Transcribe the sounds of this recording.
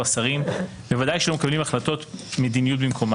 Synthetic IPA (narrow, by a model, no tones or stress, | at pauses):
asaʁim | bevad̪ajʃelomekablimaχlato̞t̪med̪inijut̚bimkʰo̞m